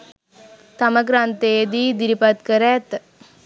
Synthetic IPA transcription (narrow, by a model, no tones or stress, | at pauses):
t̪ɐmɐɡɾant̪eːd̪id̪iɾipɐt̪kɐɾæːt̪